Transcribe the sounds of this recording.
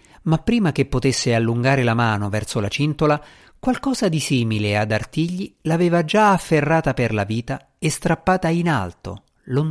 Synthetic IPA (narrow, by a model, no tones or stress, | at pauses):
mapːɾiːmak̟epːot̪esːealːuŋɡaːɾelamaːnovɛrsolat͡ʃint̪ola | kwalkɔːzad̪isiːmilead̪art̪iʎːilaveːvad͡ʒaːfːerːaːt̪aperlaviːt̪a | est̪ɾapːaːt̪aina̰lt̪o̰ | lon